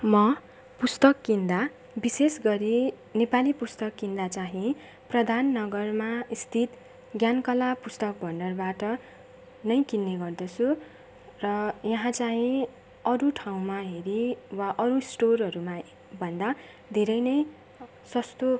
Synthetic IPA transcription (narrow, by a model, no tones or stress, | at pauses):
mʌ | pust̪ʌkːind̪a | bisesɡʌɾi | nepalipust̪ʌkːind̪at͡saɦĩ | prʌd̪ʱanːʌɡʌrmaist̪ʰit̪ | ɡjankʌlapust̪ʌk̚bʱʌɳɖʌrbaʈʌ | nʌj̃kinːeɡʌrd̪ʌt͡sʰu | rʌjʌɦãt͡saɦĩ | ʌɾuʈʰaw̃maɦeɾiwaʔʌɾusʈorɦʌɾuma | bʱʌnd̪a | d̪ʱeɾʌjnʌj | sʌst̪o